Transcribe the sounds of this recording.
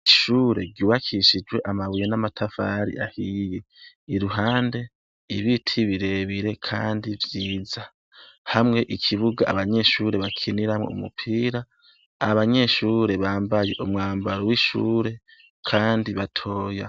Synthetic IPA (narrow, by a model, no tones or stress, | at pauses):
iʃuːɾe̞ɡjuːβakʰiʃid͡ʒwe̞ʔamaβujenamatʰafaɾḭʔahije | iɾuɦaːnde̞ | iβitʰiβiɾe̞βiɾe̞kʰaːndivjiːza | hamŋe̞ʔikʰiβuɡaaβaɲe̞ʃuːɾe̞βakʰiniɾamŋo̰ṵmṵpʰiːɾa | aβaɲe̞ʃuːɾe̞βaːmbaje̞ʔumŋaːmbaɾowiʃṵːɾe̞ | kʰaːndiβatʰo̞ːja̰